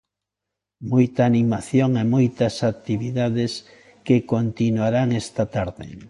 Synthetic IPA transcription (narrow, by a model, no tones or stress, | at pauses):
mojt̪aːnimaθjoŋemojt̪ɐsak̚t̪iβiðaðɪs | kekont̪inwaɾaŋɛst̪ɐt̪aɾðɪ̰